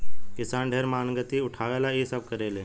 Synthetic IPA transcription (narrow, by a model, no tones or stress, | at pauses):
kisaɳɖʱeɾmaːnɡət̪iuʈʰaʋelaesəb̚kəɾele